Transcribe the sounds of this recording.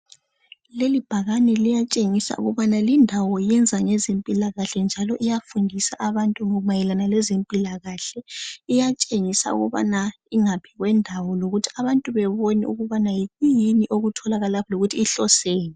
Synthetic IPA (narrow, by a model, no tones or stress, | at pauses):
lelib̥ʱaɣanɛlijat͡ʃʼeŋisa̰ʔṵɣuβanalindʱawɔijɛnd͡zʱaŋɛzempʼilaɣaɬɛnd͡ʒʱalɔʔijafundʱisaʔaβantʼuŋɔumajɛlanalɛzempʼilaɣaɬɛijat͡ʃʼeŋisa̰ṵɣuβa̰na | iŋapʰiɣwɛndʱawɔloɣutʰi̥aβantʼuβɛβonḭṵɣuβanajiɣujiniʔoɣutʰɔlaɣalapʰɔloɣutʰiːɬɔseːni